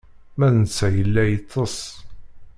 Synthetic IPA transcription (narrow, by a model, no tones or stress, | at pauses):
mæðənt͡sːæjəlːæjət̪ˤːəsˤ